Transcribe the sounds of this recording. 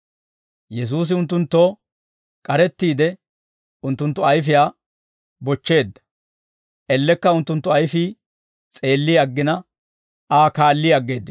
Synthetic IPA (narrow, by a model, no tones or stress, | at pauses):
jɛs̬uːs̬ɪʊnt̪̬ːʊnt̪ːo̞ː | kʼɐɾɛt̪ːiːd̪ɛ | ʊnt̪ːʊnt̪ːʊɐjfɪjaː | bɔt͡ʃːe̞ːd̪ːɐ̥ | ʔɛlːɛkːɐʊnt̪ːʊnt̪ːʊɐjfi | t͡sʼe̞ːlːɪjɐɡːɪnɐ | aːkaːlːɪɐɡːe̞ːd̪ːɪ